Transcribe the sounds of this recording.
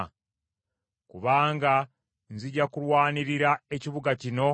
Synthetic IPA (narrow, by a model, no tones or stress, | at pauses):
kuβaːŋɡa | nziɟakulwaːniɾiɾae̞ciβuɡacino̞